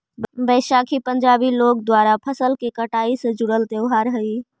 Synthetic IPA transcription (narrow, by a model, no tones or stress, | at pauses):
bəːʃaːkʰipə̃ɲd͡ʒaːbiloːɡ̚d̪waːɾapʰɐsəlkekəʈaːised͡ʒʊɽəlt̪eʊɦaːɾɦɐiː